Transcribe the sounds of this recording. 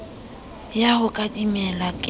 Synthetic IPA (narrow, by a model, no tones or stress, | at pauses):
jahʊkʼadimɛlakʼ